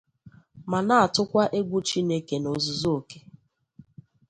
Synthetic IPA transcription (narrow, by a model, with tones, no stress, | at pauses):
ma˨na˦˨a˨tʊ˦kʷa˦ʔe˦ɡʷʊ˦t͡ʃi˦ne˦ke˨no˨zʊ˦zo˦o˨ke̥˦